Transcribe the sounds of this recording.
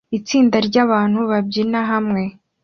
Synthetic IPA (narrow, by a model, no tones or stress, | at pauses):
it͡siːndaɾɟaːβaːn̥huβabɟinaɦamŋe̞